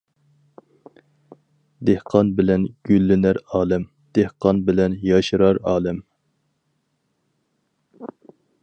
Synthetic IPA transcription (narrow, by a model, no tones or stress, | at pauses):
d̪ehqʰɑnbɪlɛnɡ̥ʲylːɪnæɾɑːlˠɛm | d̪̥ehqɑnbɪlɛnjɑʃɾɑɾɑːlˠɛm